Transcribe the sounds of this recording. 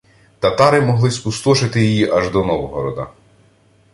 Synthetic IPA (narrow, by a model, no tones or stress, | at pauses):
t̪ɐt̪ɑɾɪmɔɦlˠɪspust̪ɔʃɪt̪ɪjijiʔɐʒd̪ɔnɔʋɔɦɔɾɔd̪ɐ̰